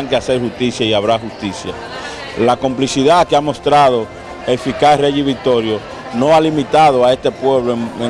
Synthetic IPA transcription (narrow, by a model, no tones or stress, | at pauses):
ŋkease̞ɾhust̪isjaiaβɾahust̪isja̰ | lako̞mplisiðakeamo̞st̪ɾaðo̞ | efikasreʝiβik̚t̪o̞ɾjo̞ | no̞alimit̪aðoae̞st̪e̞pwe̞βloe